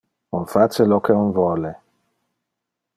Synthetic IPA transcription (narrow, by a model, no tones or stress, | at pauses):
unfat͡ʃelɔkeunvwɔle